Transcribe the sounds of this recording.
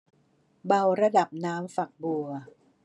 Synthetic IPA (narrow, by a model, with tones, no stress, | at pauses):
ba˧wɾa˧da˨˩p̚naː˦˥mfa˨˩k̚bu˨˩ɐ